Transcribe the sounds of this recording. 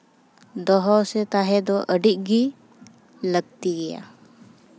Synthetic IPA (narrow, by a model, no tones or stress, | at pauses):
d̪ɔɦɔsɛt̪aɦɛd̪ɔʔəɖiʔ̚ɡi | ləɡ̚t̪iɡɛja̰